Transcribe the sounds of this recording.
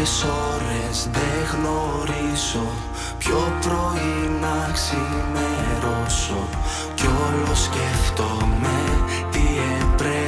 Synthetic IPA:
so̞ɾezðeɣno̞ɾizo̞ | pço̞pɾo̞inɐksimeɾoso | ceolosceft̪ome | t̪iepɾe

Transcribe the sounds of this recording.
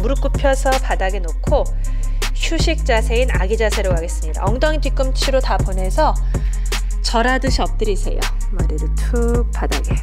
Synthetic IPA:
muɾɯk͈upʰjʌsʰʌpadaɡenokʰo | çuɕʰik̚t͡ɕ͈asʰe̞inaɡid͡ʑasʰe̞ɾokaɡe̞s͈ɯmɲida̰ʌŋdʌŋtik͈ɯmt͡ɕʰiɾotapone̞sʰʌ | t͡ɕʌɾadɯɕʰiʌp̚t͈ɯɾisʰe̞̰jo̰ | maɾeɾɯtʰup͈adaɡe

